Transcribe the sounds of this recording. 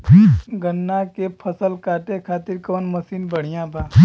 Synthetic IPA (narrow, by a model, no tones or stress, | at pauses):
ɡənːakepʰəsəlkʰaːt̪ekʰaːt̪ɪɾkoːnməsiːnbəɽ̤ɪjãːbʱaː